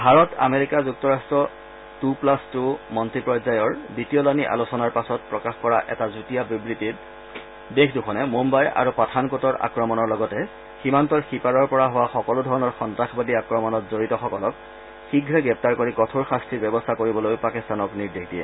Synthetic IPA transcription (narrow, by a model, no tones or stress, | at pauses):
bʱaɹɔta̰meɹikazuk̚tɔɹastɹɔ | tuplastumɔntɹipɹɔzajɔɹditiɔlaniʔa̰losɔnaɹpasɔt̚pɹɔkaxkɔɹaʔɛ̰tazutijabibɹitit | dekʰduxʰɔnɛmombaja̰ɹupatʰankotɔɹa̰kɹɔmɔnɔɹlɔɡɔtɛ | ximantɔɹxipaɹɔɹpɔɹaɦʊwaxɔkɔlʊdʱɔɹɔnɔɹxɔntɹaxbadiakɹɔmɔnɔtzoɹitɔxɔkɔlɔk̚ | xiɡʱɹɛɡɹɛp̚taɹkoɹikɔtʰoɹxastʰɹibɛbɔstʰakoɹibɔlojpakistanɔkniɹdexʰdijɛ̰